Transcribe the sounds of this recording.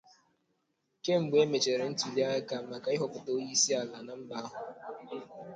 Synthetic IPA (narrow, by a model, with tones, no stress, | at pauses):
ke˦ŋ͡m̩˨ɡ͡be˦me˨t͡ʃe˨ɾe˨n̩˦ti˨li˦a˦ɪ˦ka˨m̩˨ma˨ka˨˦ɪ˦ɦʊ˨pʊ˨to˦ji˦si˦a˨la˨na˦m̩˦ba˦a˦ɦʊ˨